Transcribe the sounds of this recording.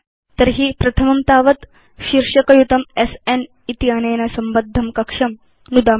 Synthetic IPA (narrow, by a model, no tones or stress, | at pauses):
t̪ɐɾɦipɾɐt̪ʰɐmɐmt̪aːʋɐt̪ | ʃiɾʂɐkɐjut̪ɐmesen | it̪iaːnɐjnɐsɐmbɐd̪ʱːɐmkɐkʂɐm | nud̪aː